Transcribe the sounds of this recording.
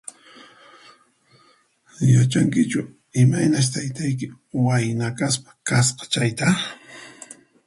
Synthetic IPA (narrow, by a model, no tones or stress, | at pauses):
jat͡ʃaŋkɪt͡ʃʊ | ɪmajnaʃ̬t̪ajt̪ajk̬ɪ | wajnakaspḁkasqɑ̥t͡ʃajt̪a